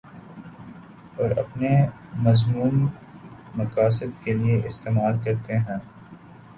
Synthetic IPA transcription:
ɔːɾɐ̰pne | mɐzmuːnː | ɐkaːsɪd̪kelieʔɪst̪eːmaːlkɐɾt̪eɦɛ̃ː

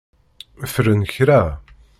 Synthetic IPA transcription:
fɾənçɾæ

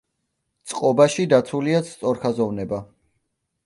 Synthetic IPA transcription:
t̪sʼqʼɔbaʃid̪at̪sʰuliat̪sʰt̪sʼɔɾkʰazɔvnɛba

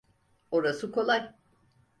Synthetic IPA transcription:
oɾasɯkʰo̞lˠaj

